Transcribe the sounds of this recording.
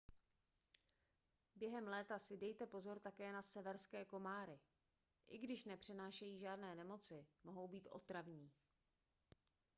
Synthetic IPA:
bjɛɦɛmlɛːt̪asɪdɛjt̪ɛpo̞zo̞ɾt̪akɛːnasɛvɛɾskɛːko̞maːɾɪ | ʔɪɡdɪʃnɛpr̝̥ɪnaːʃɛjiːʒaːdnɛːnɛmo̞t͡sɪmo̞ɦo̞wbiːt̪ʔo̞̰t̪ɾavɲiː

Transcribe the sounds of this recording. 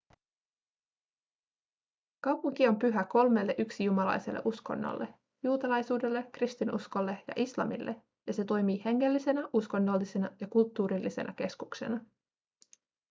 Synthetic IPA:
kɑwpuŋk̟io̞mpyɦæko̞lme̞lːeʔyksijumɑlɑ̰jse̞̰lːḛʔusko̞̰nːo̰lːʔe | juːt̪ɑlɑjsuːde̞lːe̞krist̪inʔusko̞lːe̞jɑ̰ʔislɑ̰mḭlːʔḛ | jɑse̞t̪o̞jmiːhe̞ŋːe̞lːise̞næʔusko̞nːo̞lːise̞nɑjɑkult̪ːuːɾilːise̞̰nʔɑ̰ke̞skukse̞̰nɑ

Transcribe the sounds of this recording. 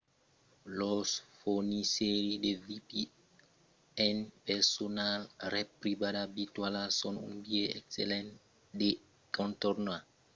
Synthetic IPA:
lɔsfoniseɾidevipi | ɛnpɛsɔnalrɛpribadabitwalasɔnṵnbieɛksɛ̰lɛ̃n | de | kɔ̃ntɔrna

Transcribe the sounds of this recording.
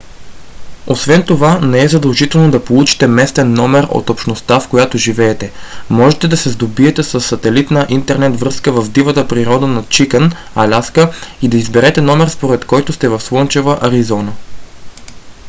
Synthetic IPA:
osvɛnt̪ovanɛɛzɐd̪ɐlˠʒit̪ɛlˠnod̪ɐpolˠut͡ʃi̥t̪ɛmɛst̪ɛnːɔmɛɾo̰t̪opʃnost̪afkojat̪oʒivɛːt̪ɛmɔʒɛt̪ɛd̪ɐsɛzd̪obiɛt̪ɛsəsːɐt̪ɛlit̪nɐʔint̪ɛɾnɛt̪vɾɤskəvɐvd̪ivət̪əpɾiɾɔd̪ənɐt͡ʃikən | ɐlʲaskəid̪ɐizbɛɾɛt̪ɛnɔmɛɾspoɾɛt̪kɔjt̪ʊst̪ɛvɐfslˠɤnt͡ʃɛvəʔɐɾizɔnə

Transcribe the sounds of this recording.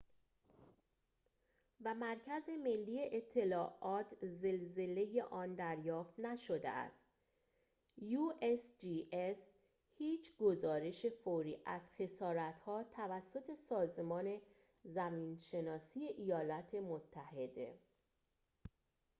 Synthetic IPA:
væmæɾcʰæze̞me̞lːiːeʔet̪ʰːe̞lɒːʔɒːt̪ʰze̞lze̞le̞je̞ʔɒːnd̪æɾjɒːft̪næʃod̪ḛʔæ̰st̪ | juʔesd͡ʒiːʔes | hiːt͡ʃʰɡo̞zɒːɾe̞ʃe̞foːɾiːʔæz̥xe̞sɒːɾæt̪hɒːt̪ʰævæsːo̞t̪ʰe̞sɒːzemɒːne̞ | zæmiːnʃe̞nɒːsiːje̞ʔijɒːlæt̪ʰe̞mot̪ʰːæhe̞d̪e̞̰

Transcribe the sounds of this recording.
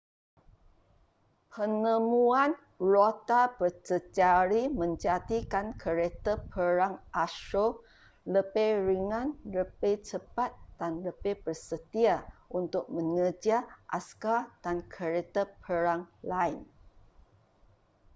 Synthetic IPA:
pʰənəmuan | rot̪abərt͡ʃəd͡ʒaɾimə̃ɲd͡ʒat̪ikankʰəɾet̪əpʰəɾaŋʔaʃo | ləbejɾiŋãnləbet͡ʃəpat̪̚d̥anləbebərsət̪iaʔunt̪ʊk̚mə̃ŋəd͡ʒiaʔa̰skad̥ankʰəɾet̪əpʰəɾaŋlaɪn

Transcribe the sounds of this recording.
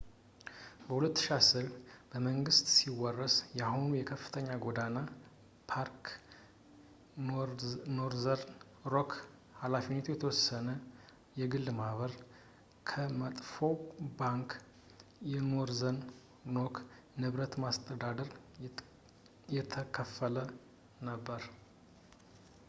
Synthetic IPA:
bəhulət̪ːʃasɨɾb̥əməŋɡɨst̪siwɔrːəsjahunjɛkʰəfːɨ̥t̪ʰəɲːaɡo̞d̪ana | pʰaɾk | noɾzəɾ | ɾok | halafinːeɛt̪ʰujɛt̪ʰəwɔsːənə | jɛɡɨlːmaβəɾ | kʰəmət̪ʼfo̞baŋk | jɛnoɾzən | no̞kʰ | nɨβɾət̪mast̪ʰʼəd̪ad̪əɾ | jɛt̪ʰəkʰəfːələ | nəbːəɾ

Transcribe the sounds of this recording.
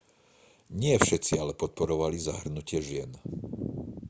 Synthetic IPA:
ɲɪɛfʃɛt͡sialɛpɔt̪̚pɔɾɔʋaliza̰ɦr̩nucɪɛʒɪɛn

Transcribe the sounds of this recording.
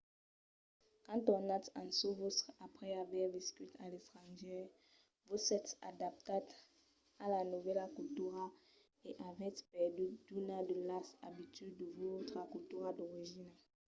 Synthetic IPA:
kɑ̃t̪ɔnat̪ɑ̃sovotapʁɛavwaʁvɛskyt̪ʰalɛt̪χɑ̃ʒɛ | vosɛt̪a̰d̪ap̚t̪at̪ | alanuvɛlakutuʁa | eʔavɛt̪pɛʁdyd̪̥unad̪əlasa̰bit̪yddəvot̪χakult̪yʁad̪ɔʁiʒina

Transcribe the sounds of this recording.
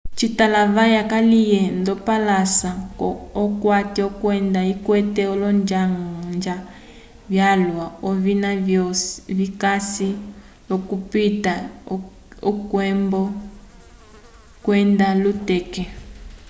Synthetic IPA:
t͡ʃitalaβajakalijɛndɔpalasakɔɔkwatiɔkwɛndaikwɛtɛɔlɔnd͡ʒaŋnd͡ʒa | vjalwaɔβinavɔvikasi | lɔkupita | ɔkwɛmbɔ | kwɛndalutɛkɛ

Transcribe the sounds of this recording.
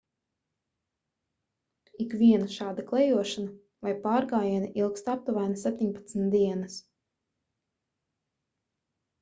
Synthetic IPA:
ikviɛnaʃaːd̪aklˠɛjuɔʃana | vajpaːɾɡaːjaniʔilˠkst̪ap̚t̪uvajnasʲɛp̚ʲt̪ʲiɲpḁt̪snt̪̚d̪iɛnas

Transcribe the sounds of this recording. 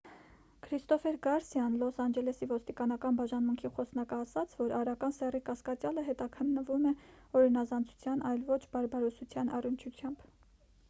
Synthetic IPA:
kʰɾist̪ɔfɛɾɡɑɾsjɑnlɔsɑnd͡ʒɛlɛsivɔst̪ikɑnɑkɑnbɑʒɑnmuŋkʰiχɔsnɑkəɑsɑt͡sʰvɔɾɑɾɑkɑnsɛrikɑskɑt͡sjɑləɦɛt̪ɑkʰənːəvumɛ | ɔɾinɑzɑnd͡zʰu̥t͡sʰjɑnɑjlvɔt͡ʃʰbɑɾbɑɾɔsut͡sʰjɑnʔɑrənt͡ʃʰut͡sʰjɑmb

